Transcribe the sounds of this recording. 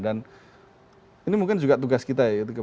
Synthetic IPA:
dan | inimuŋk̬ɪnd͡ʒuɡat̪̬uɡaskit̪̬ajait̪̬ukə

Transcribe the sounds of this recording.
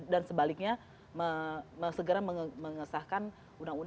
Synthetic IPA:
dansəbalɪk̚ɲa | məməsəɡəɾaməməŋəsahkan | undaŋun

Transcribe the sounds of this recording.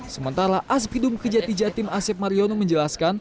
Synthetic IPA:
səmənt̪aɾaʔas̬pidumkərd͡ʒat̪id͡ʒat̪ɪmasɛp̚maɾionoməɲd͡ʒəlaskan

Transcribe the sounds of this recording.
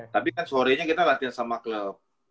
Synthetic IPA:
t̪apikansoɾɛɲakit̪alat̪iansamakləp̚

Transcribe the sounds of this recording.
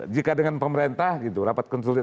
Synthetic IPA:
d͡ʒikadəŋanpəməɾent̪ahɡit̪uɾapat̪̚kɔns̬ulɪt̪

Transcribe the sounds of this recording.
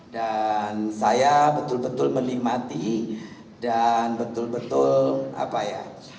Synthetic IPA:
dansajabət̪ʊlbət̪ʊlməlimat̪i | danbət̪ʊlbət̪ʊla̰paja̰

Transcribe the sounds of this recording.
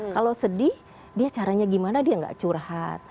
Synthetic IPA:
kalosədih | diat͡ʃaɾaɲaɡimanadiaŋɡa̰ʔt͡ʃurhat̪̚

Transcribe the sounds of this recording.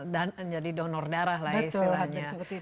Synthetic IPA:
dand͡ʒadidɔnɔrdaɾaɦlast̪ilahɲaəi

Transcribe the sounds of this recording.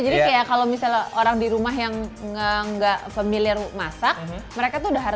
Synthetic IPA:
d͡ʒadikajakalowmisaloɾaŋdiɾumaɦjaŋəəŋɡaʔfamiliarmasak̚məɾekat̪uudaɦaɾ

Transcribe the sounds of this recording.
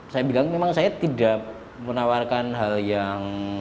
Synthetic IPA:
sajabilaŋmemaŋsajat̪idaʔ | mənawarkanɦaljaŋ

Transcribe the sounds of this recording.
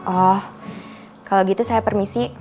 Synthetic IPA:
ʔɔh | kaloɡit̪usajapərmisi

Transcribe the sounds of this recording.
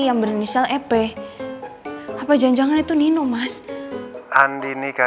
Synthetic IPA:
jaŋbərnisialɛpɛ | apad͡ʒaɲd͡ʒaŋanit̪uninumas | ʔandinika

